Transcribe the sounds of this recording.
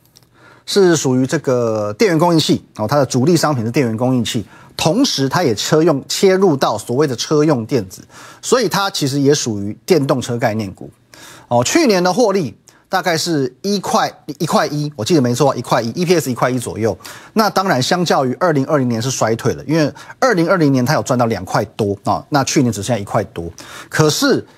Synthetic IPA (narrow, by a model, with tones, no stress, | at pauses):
ʂɻ̩˥˩ʂu˨˩y˧˥ʈ͡ʂɤ˥˩ɡə˩t̪jɛ˥˨nɥɛ˧˥nkʊ˥ŋi˥˧nt͡ɕʰi˥˩ɔ˨˩t̪ʰa˥d̪ə˨ʈ͡ʂu˨˥li˥˩ʂɑ˥ŋpʰi˨˩nʂ̩˥˩t̪jɛ˥˨nɥɛ˧˥nŋkʊ˥ŋi˥˧nt͡ɕʰi˥˩ | t̪ʰʊ˧˥ŋʂɻ̩˧˦t̪ʰa˥jɛ˨˩t͡ɕʰɤ˥jʊ˥˩ŋt͡ɕʰjɛ˥ɻu˥˧t̪ɑ˥˩ʊswɔ˨˩we˥˩ɪd̪ə˩ʈ͡ʂʰɤ˥jʊ˥˧ŋt̪jɛ˥˩nd͡zɹ̩˨˩swɔ˧˥i˨˩t̪ʰa˦t͡ɕʰi˧˥ʂ̬ɻ̩˧˥jɛ˧˥ʂu˨˩y˧˥t̪jɛ˥˧nt̪ʊ˥˧ŋʈ͡ʂʰɤ˥k̬a˥˧ɪnjɛ˥˩nkṵ˨˦ | ɔ˥˨˩t͡ɕʰy˥˩njɛ˧˦nd̪ə˨xwɔ˥˧li˥˨t̪a˥˧ka˥˧ɪʂɻ̩˥˩i˥kʰwa˥˩ɪi˧˥kʰwa˥˩ɪʔi˦˥wɔ˨˩t͡ɕi˥d̪ə˩me˧˥ɪt͡sʰɔ˥˧˩i˧˥kʰwa˥˩ɪi˦ʔi˦˥pʰi˧˥ɛ˥˩si˧˥kʰwa˥˩i˦˥t͡swɔ̰˨˩jo˥˩ʊna˥˨t̪ɑ˥ŋɻa˧˥nɕjɑ˥ŋt͡ɕjɑ˥˩ʊy˧˥ʔə˞˥˩li˧˥ŋə˞˥˩li˧˥ŋnjɛ˧˦nʂɻ̩˥˩ʂwa˧˥ɪt̪ʰwe˨˩ɪlə̰˩i˥nwe˥˧ɪə˥˩li˧˥ŋə˞˥˩li˧˥ŋnjɛ˧nt̪ʰa˥o˨˩t͡swa˥˧nt̪ɑ˥˩jɑ˨˩ŋkʰwa˥˩ɪt̪wɔ̰˥˨na˥˧t͡ɕʰy˥˩nɛ˧˥nʈ͡ʂɻ̩˨˩ʂ̩˥˩i˧˦kʰwa˥˩ɪt̪wɔ˥kʰɤ˨˩ʂɻ̩˥˩